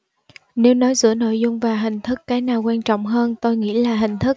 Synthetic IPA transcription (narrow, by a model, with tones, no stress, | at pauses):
ne˨˦wnɔ˨˦jzɨ̰˧˥əno̰˧˨jzʊ˧ŋ͡mvaː˨˩ɦï˨˩ŋ̟t̪ʰɨ˦˥kːaː˨˦jnaː˨˩wkwaː˧nt͡ɕɔ̰˧˨wŋ͡mɦəː˧nt̪o˧jŋḭ˧˥əlaː˨˩ɦï˨˩ŋ̟t̪ʰɨ˦˥k̚